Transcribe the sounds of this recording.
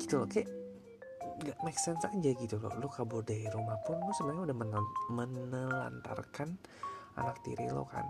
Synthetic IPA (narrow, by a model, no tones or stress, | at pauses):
ɡit̪ulɔkajaʔ | ŋɡaʔmɛksɛnsakəd͡ʒaɡit̪ulo̰lokabʊrdaiɾumahpʊnlʊsəmaɲaudahmənmənəla̰nt̪a̰rkana̰nak̚t̪ḭɾilo̰ka̰n